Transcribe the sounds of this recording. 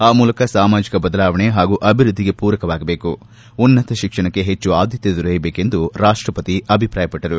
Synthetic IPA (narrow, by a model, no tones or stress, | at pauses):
aːmuːlɐkɐsaːmaːd͡ʒikɐbɐd̪ɐlaːʋɐɳeɦaːɡuːʔɐbʱiɾud̪ʱːiɡe̞puːɾɐkɐʋaːɡɐbe̞ːku | unːɐt̪ɐʃikʂɐɳɐkːe̞ɦet͡ʃːuaːd̪jɐt̪jed̪uɾɐjɐbeːke̞nd̪uɾaːʂʈɾɐpɐt̪iɐbʱipɾaːjɐpɐʈːɐɾu